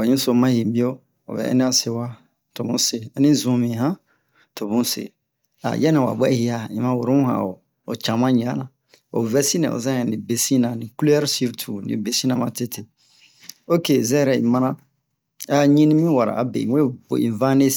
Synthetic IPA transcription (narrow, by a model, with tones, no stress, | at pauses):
a˨ɲũ˦so˨mã˦jĩ˨bi˦o˦ | o̰˨bɛ̰˨ɛ̰˦nɛ̃˦a˦se˦wa˦ | to˨bũ˦se˨a˨nĩ˦zũ˨mĩ˨ɦã˦ | to˨bũ˦sḛ˨ | a̰˨jɛ˦nã˨wa̰˨bɛ˦˨hi˨˦a˨ḭ̃˨mã˦wo˨ɾo˦mũ˦hã̰˨o̰˨ | o̰˨t͡ʃã˨mã˦ɲ˨ã˨˦nã˨ | o̰˨vɛ˦sĩ˦nɛ̰̃˨o̰˨zã˦ɛ̃˨nĩ˨be˨sĩ˦nã˨nĩ˨kulɛ˦ɾsi˦ɾtʰu˨nḭ̃˨be˨sĩ˦nã˨mã˨te˦tʰe˨ | o˦ke˨zɛ˦ɛ˦ɾɛ˨ḭ̃˨mã˦nã˦ | a˦ɲĩ˦nĩ˦mĩ˦wa˨ɾa̰˨a˨bḛ˨ĩ˨e˦bo̰˨ḭ̃˨vã˦ne˦